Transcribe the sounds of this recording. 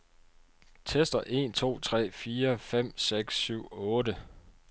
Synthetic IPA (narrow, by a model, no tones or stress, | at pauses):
t͡sʰesd̥ɐʔe̝̰nt͡sʰo̝̰ːt͡sʰʁɛ̰ːfiːɐfem̰seɡ̥syʊ̰ɔ̽ːdə